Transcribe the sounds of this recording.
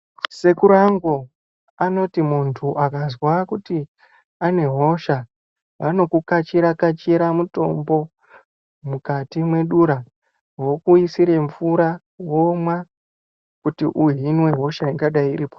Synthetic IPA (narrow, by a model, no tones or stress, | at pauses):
se̞kuɾaŋɡo̞ | ano̞timuntʰuʔakazwakuti | ane̞ɦo̞ʃa | ʋano̞kukat͡ʃiɾakat͡ʃiɾamuto̞̰mbo̞ | mukatimwe̞ɗuɾa | wo̞kuisiɾe̞ɱfuɾa | wo̞mwa | kutiʔuɦinwe̞ɦo̞ʃaiŋɡaɗaiɾiːpo